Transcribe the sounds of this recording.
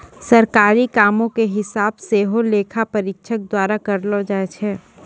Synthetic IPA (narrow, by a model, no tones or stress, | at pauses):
sɐɾkaːɾikaːmõkeɦɪsaːbseːɦoleːkʰapɐɾɪkʃʰək̚d̪waːɾakɐɾlod͡ʒaet͡ʃʰɛː